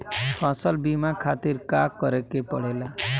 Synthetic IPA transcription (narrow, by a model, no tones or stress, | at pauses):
pʰãsʌlbimakʰat̪iɾkakʌɾekepɔɽ̤ela